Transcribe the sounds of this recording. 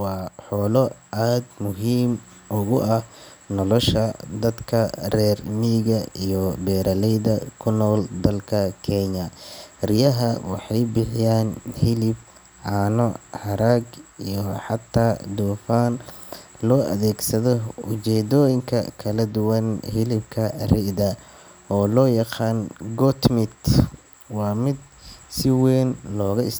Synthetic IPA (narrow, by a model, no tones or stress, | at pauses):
wɑːħɔːlɔʔaːd̪mʊɦiːmʔʊɣʊʔɐnɔlɔʃɐd̪ɐd̪kʰɐrɛːrmiːɣɐijɔbɛːɾʔɐlɛjðɐkʰʊnɔːld̪ɐlkʰɐkʰɛɲɐrɪjɐɦɐwɑħɑjbɪħɪjaːnhɪlɪb̚ | ʕaːnɔhɑɾaːɡijɔħɑt̪ʰːaːd̪uːfaːn | lɔːʔɐ̰ðɛːɡsɐðɔʊt͡ʃɛːd̪ɔːjɪŋkʰɐ̰kʰɐlɐd̪ʊwɐnhɪlɪbkʰɐrɪðɐ | ɔːlɔːjɑqɑːnɡɔt̪mɪt̪ | wɑːmɪd̪ | sɪwɛːnlɔːɣɐɪs